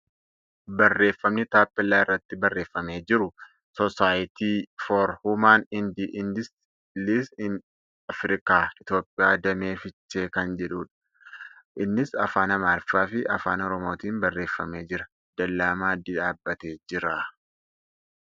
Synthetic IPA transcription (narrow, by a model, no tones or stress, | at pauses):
bɐrːe̞ːfːɐmnɪt̪aːpːɪlːaːɪrːɐt̪ːɪbɐrːe̞ːfːɐme̞ːd͡ʒɪɾʊ | sɔsaːjɪt̪iːfoːɾhʊmaːnɪnd̪iʔɪnd̪ɪs | lisɪn | ɐfɾɪkaːɪt̪jo̞ːpʼːɪjaːd̪ɐme̞ːfɪt͡ʃːe̞ːkɐnd͡ʒɛᶑuːᶑɐ̥ | ʔɪnːɪsɐfaːnɐmaːlfaːfɪʔɐfaːnɔɾɔmoːt̪iːmbɐrːe̞ːfːɐ̰me̞ːd͡ʒɪɾɐ | d̪̥ɐlːaːmaːd̪ɪᶑaːbːɐt̪e̞ːd͡ʒɪɾa